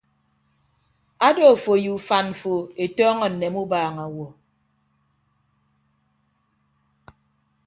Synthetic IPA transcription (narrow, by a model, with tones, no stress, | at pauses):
a˦do˨fo˨ju˨fa˨nm̩˨fo˨e˨tɔː˦ŋɔ˨n̩ː˨e˨mu˦baː˨ŋa˨wɔ˨